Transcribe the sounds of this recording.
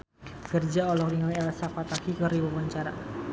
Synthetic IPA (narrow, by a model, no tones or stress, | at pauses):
kərd͡ʒaɔlɔk̚diŋalɛlasapat̪akikəɾiwawaɲt͡ʃaɾa̰